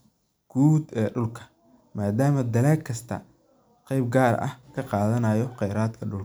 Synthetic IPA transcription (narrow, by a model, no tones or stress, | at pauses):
ɡ̥uːd̪ɛːɖʊlkʰɐ̥ | maːd̪aːmɐd̪ɐlɛːkʰɐst̪ʰɐ̰ | qɛjb̚ɡaːrɐ̰hkʰɐqɑːðɐnɐjɔqɛjɾaːd̪kʰɐɖʊlkɐ